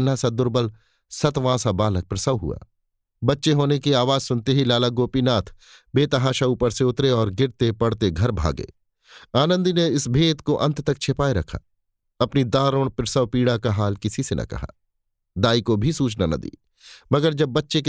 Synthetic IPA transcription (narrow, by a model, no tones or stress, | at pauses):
nːasad̪ʊɾbəl | sɐt̪ʋãːsabaːlək̚pɾɐsəʋɦʊ̰a̰ː | bɐtːʃeɦoːnekiaːʋaːzsʊnt̪eɦilaːlaɡoːpinaːt̪ʰ | beːt̪ɐɦaːʃauːpəɾseʊt̪ɾeɔːɾɡɪɾt̪epɐɽt̪eɡʱɐɾbʱa̰ːɡḛː | aːnə̃nd̪ineɪsbʱeːt̪koʔɐ̰̃nt̪t̪ɐk̚t͡ʃʰepaːeɾɐkʰa̰ | ɐpnid̪aːɾoɽ̃pɾɐsəʋpiːɽakaɦaːlkɪsisenʔɐ̰kɐ̰ɦa̰ː | d̪aːikobʱisuːt͡ʃnanɐ̰d̪ḭː | mɐɡəɾd͡ʒɐb̚ːɐtːʃek